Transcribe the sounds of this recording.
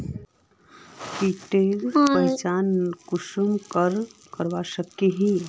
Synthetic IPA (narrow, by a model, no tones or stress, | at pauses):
piːʈeːlpəjt͡ʃaːnkʊʃumkəɾkəɾʋaʃəkːeɦĩ